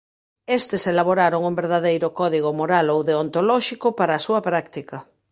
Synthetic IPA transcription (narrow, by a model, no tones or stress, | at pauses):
est̪eselaβoɾaɾoŋumbeɾð̞aðejɾʊkɔðiɣ̞ʊmoɾalowðeont̪olɔʃikʊpaɾaːsuɐpɾakt̪ikɐ